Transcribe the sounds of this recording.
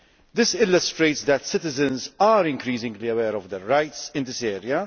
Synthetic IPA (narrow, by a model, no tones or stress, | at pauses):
d̪ɪsɪlːəst̪ɾeɪtsd̪æt̪sɪt̪ɪzə̃nzaɾɪ̃ŋkɾiːsɪ̃ŋɡliɛwɛːɾɔvd̪ɛɾːajtsɪ̃nd̪ɪsɛːɾia